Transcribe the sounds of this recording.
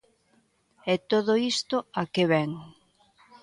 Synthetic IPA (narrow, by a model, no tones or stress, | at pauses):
ɛt̪oðoist̪oakeβɛŋ